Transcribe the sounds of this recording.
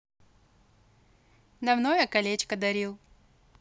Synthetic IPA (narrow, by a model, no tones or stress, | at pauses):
nɐmnojəkɐlʲet͡ɕkəd̪ɐɾʲilˠ